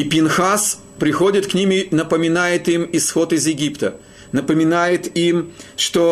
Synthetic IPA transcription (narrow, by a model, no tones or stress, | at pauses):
ipʲɪnxas | pɾʲɪxo̞dʲɪt̪knʲimɪnəpəmʲɪnajɪt̪imɪsxo̞t̪ɪzjɪɡʲipt̪ə | nəpəmʲɪnajɪt̪imʂt̪o